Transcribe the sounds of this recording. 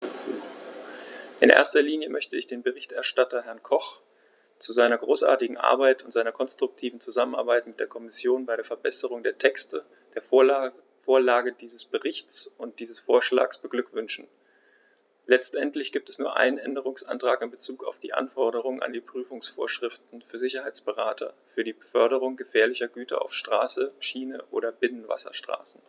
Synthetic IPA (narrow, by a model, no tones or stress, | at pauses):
ʔɪnʔḛɐstɐliːnjəmœçtəɪçd̥eːnbəʁɪçtɛɐʃtatɐɦɛɐnkʰɔχ | t͡suzaɪnɐɡʁoːsʔa̰ɐtɪɡŋ̩ʔa̰ɐbaɪtʊntz̥aɪnɐkʰɔnstʁ̥ʊk̚tʰiːvn̩t͡suzaməna̰ɐbaɪtmɪt̚d̥eːɐkʰɔmɪsjoːnbaɪɾeːɐfɛɐbɛsəʁ̞ʊŋdeːɐtʰɛkstə | d̥eːɐ | foːɐlaːɡədiːzəsb̥əʁɪçt͡sʊnt̚d̥iːzəsfoːɐʃla̰ːksb̥əɡlʏkv̥ʏnʃn̩ | lɛt͡stʔɛntʰlɪçɡ̥iːp̚tɛsnuːɐʔa̰ɪnənʔɛndəʁ̞ʊŋsʔa̰ntʁ̥aːkɪnbət͡suːka̰ʊfd̥ḭːʔa̰nfɔɐɾəʁ̞ʊŋəna̰ndiːpʁ̥yːfʊŋsfo̰ːɐʃʁ̥ɪftn̩fyːɐzɪçɐhaɪt͡sb̥əʁaːtʰɐ̰fyːɐdiːbəfœɐɾəʁʊŋɡəfɛːɐlɪçɐɡyːtʰɐ̰ʔa̰ʊfʃtʁ̥aːsəʃiːnəʔo̰ːɾɐbɪnənva̰sɐ̰ʃtʁ̥a̰ːsn̩